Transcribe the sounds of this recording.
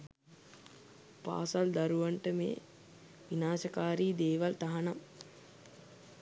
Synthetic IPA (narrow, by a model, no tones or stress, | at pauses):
pa̰ːsald̪aɾuʋaɳʈəmḛː | ʋinaːsəkaːɾiːd̪eːʋalt̪aɦanam